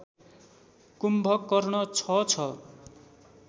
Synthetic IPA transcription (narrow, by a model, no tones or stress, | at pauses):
kumbʱʌkːʌrɳʌt͡sʰʌt͡sʰʌ